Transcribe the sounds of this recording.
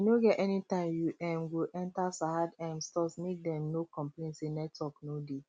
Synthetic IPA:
inoɡɛtʔɛnitãmjuʔɛ̃mɡiʔɛ̃ntasahadɛ̃mstɔsmek̚dɛ̃mnokɔ̃mplẽntsenɛtwɔknode

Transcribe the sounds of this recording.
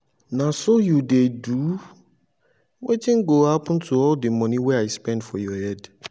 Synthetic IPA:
nãsojudedu | wetɪ̃nɡohapʰɔ̃n̩tʰuɔldəmɔ̃nĩwɛaɪspɛ̃ndfɔjɔhɛd

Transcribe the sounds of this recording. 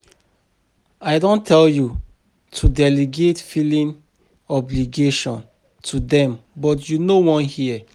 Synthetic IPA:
aɪdõntʰɛlju | tʰudɛliɡetfilĩn | ɔbliɡeʃɔ̃n | tʰudɛ̃mbɔtjunowɔ̃nhiə

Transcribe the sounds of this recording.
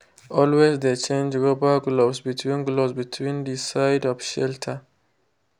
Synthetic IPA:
ɔlwezdet͡ʃẽnd͡ʒɹobəɡlosbitʰwĩnɡlosbitʰwĩndisaɪdɔvʃɛltʰə

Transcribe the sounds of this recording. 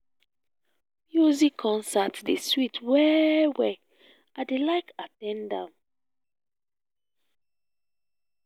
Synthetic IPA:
mjuzikʰːɔ̃nsatdeswitʰwɛwɛ | adelaɪkatɛ̃ndã̰m

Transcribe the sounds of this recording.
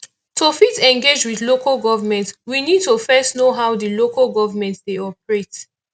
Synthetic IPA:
tofitɛ̃ŋɡed͡ʒwiðlokalɡɔvəmɛ̃ntwinid̚tofɛstnoɦawdilokalɡɔvəmɛ̃ntdeɔpɹet

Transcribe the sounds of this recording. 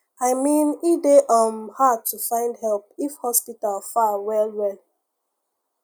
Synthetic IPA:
aɪmĩnideʔɔ̃mhatufãɪ̃ndhɛlp̚ifhɔspitalfawɛlwɛl

